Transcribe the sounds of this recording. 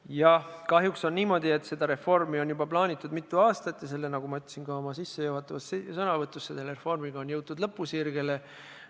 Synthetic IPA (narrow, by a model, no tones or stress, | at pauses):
jɑkɑɦjukso̞nniːmo̞d̪̥ie̞t̪se̞d̪̥ɑɾe̞fo̞rmio̞njubɑplɑːnʲit̪ːˑud̪mit̪ːˑuɑːst̪ɑt̪ːˑjɑse̞lːe̞nɑɡ̥umɑyt̪ːˑsinɡ̥ɑo̞mɑsisːejuwhɑt̪ːˑɑvɑssɤnɑvɤt̪ːˑusːed̪eleefo̞rmiɡ̥ɑo̞njɤwt̪t̪ːud̪̥lɤpːˑusirɡ̥e̞le